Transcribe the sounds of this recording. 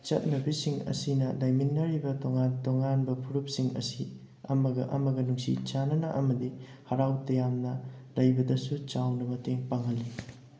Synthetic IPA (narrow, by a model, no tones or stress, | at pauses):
t͡ʃɐ̰t̚nɐbisiŋɐ̰sinɐlajminːɐɾibɐtoŋantoŋanbɐpʰuɾup̚siŋɐ̰si | ɐmɐɡɐʔɐ̰mɐɡɐnuŋsḭt͡ʃanɐnɐʔɐmɐdi | hɐɾawtɐjamnɐlɐjbɐdɐsut͡ʃawnɐmɐteŋpɐŋɦɐlːi